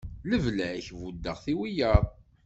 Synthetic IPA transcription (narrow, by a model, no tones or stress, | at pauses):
ləvlææçvud̪ːəʁθiwijəɾðˤ